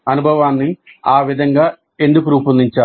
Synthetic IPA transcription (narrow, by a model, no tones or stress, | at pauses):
ɐnubʱɐʋaːnːɨaːʋid̪ʱɐŋɡa | e̞nd̪ukuɾuːpulniɲt͡ʃaː